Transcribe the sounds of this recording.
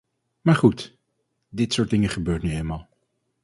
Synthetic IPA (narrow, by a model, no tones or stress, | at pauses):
maːɹχut | dɪtsʊːɹt̚dɪŋəχəbøːɹtnyejlmaːlˠ